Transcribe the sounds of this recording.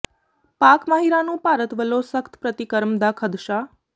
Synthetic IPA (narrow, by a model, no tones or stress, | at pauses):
pakmaɦiɾanũpaɾət̪ʋəlosəkt̪ʰpɾət̪ikəɾmd̪akʰəd̪ʃa